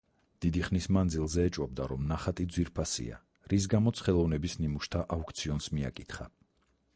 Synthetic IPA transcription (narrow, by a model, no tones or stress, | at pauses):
d̪̥id̪iχnismand̪zilˠzɛːt͡ʃʼwɔb̚d̪aɾɔmnaχat̪ʼid̪zwiɾpʰasḭa̰ | ɾis̬ɡamɔt̪sʰχɛlˠɔvnɛbisnimuʃt̪ʰaʔaukʰʼt̪sʰiɔnsmia̰kʼit̪χa̰